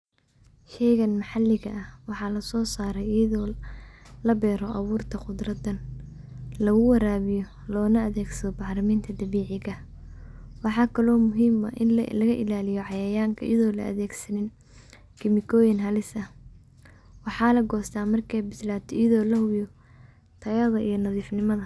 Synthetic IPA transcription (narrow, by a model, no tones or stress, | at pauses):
ʃɛjɣɐnmɐħɑlːɪɣɐʔɐhwɑħɑːlɐsɔːsaːɾɛjjɐðɔː | lɐbɛːɾɔʔɐβuːrt̪ʰɐqʊd̪rɐd̪ɐn | lɐɣʊwɐɾaːβɪjɔ | lɔːnɐɐðɛːɡsɐðɔbɑħlɐmiːnt̪ʰɐd̪ɐβiːʕɪɣɐ | wɑħɑːkʰɐlɔːmʊɦiːmɐ̰ʔɪnlɐɣɐʔɪlaːlɪjɔʕɑjɐjaːŋkʰɐʔjɐðɔːlɐ̰ʔɐ̰ðɛːɡsɐnɪn | kʰɪmɪkʰɔːjɪnɦɐlɪsɐh | wɑħɑːlɐɡɔːst̪ʰaːmɐrkʰɛjbɪslaːt̪ʰɔijɐðɔːlɐhʊjɔ | t̪ʰɐɣɐðɐʔijɞnɐðiːfnɪmɐðɐ